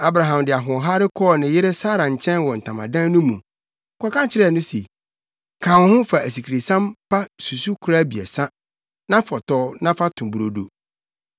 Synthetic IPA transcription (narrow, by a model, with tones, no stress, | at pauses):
a˨bɾa˨ɦã˨mdɪ˨a˨ɦʊ̃˨ɔ˨ɦa˦ɾɪ˦kʰɔː˦˨nɪ̃˨jɪ˦ɾɪ˦saː˦ɾã˨ɲ̩˨t͡ɕʰɛ̃˦nwɔ˨n̩˨tʰã˨mã̰˨dã˦nũ˦mũ˨ | kʰɔ̃˦kã˦t͡ɕʰɪ˦ɾɛ˦˨nʊ̃˦se˨ | kʰã˨whʊ̃˦fa˨æ˨s̬i˨kʰi˨ɾi˨sã˦mpʰa˦su˨su˦kʰʊ˨˦ɾa˦bi˨ɛ̰˨sã˦ | nã˦fɔ˨tɔː˦nã˦fa˦tʰʊ̃˨bu˨ɾo˨do̰˨